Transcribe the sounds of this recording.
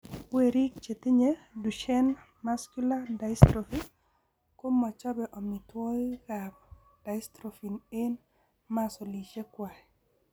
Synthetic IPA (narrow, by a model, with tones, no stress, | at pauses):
we˨ɾi˦k̚t͡ʃe˨t̪ɪ˦ɲe˦du˨ʃɛ˦n | ma˦skju˦la˦da˨istɾofi˦ | ko˦mɔ˨t͡ʃɔ˦bɛ˨ʔɔ˨mi˨two˦ɡa˨b | d̥a˨jstɾo˨fi˨ne˦n | ma˦so˨li˨ʃe˦kwa˨ɛ˨